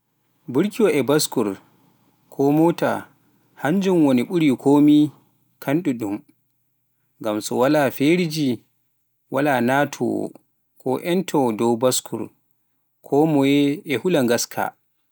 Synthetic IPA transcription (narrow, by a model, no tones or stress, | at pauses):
buɾkiwɔʔɛbaskuɾ | kʰɔmɔta̰ | haɲd͡ʒumwoniɓuɾikʰoːmi | kʰanɗuɗum | ŋɡamsɔ̰walafeɾid͡ʒi | walanatʰɔ̰ | kʰɔ̰ʔɛntʰɔdɔwbaskʰṵɾ | kʰɔmɔjɛɛhulaŋɡaskʰa̰